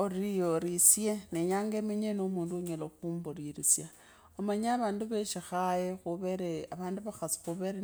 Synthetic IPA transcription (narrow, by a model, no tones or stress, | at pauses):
orijoɾisjeneɲaːŋɡemeɲenomuːnduɲeloxumboɾiɾisja | omaɲaβaːnduβeʃixajexuβeɾeaβaːnduβaxasi̥xuβeɾe